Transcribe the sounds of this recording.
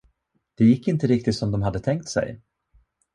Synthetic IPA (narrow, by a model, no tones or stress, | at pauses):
d̪̥ɛjɪkːɪnt̪əɾɪk̚t̪ɪt̪sɔmd̪ɔmhad̪ːət̪ʰɛŋk̚t̪sɛ̰j